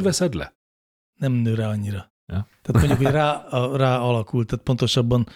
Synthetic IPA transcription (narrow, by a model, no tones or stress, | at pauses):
vɛsɛd̪lɛ̰ | nɛmnøːɾaːɒɲːiɾɒ | jt̪æaːt̪moɲɟukhoraːraːɒlɒkult̪ːaːt̪̚po̞nt̪o̞ʃɒbːɒn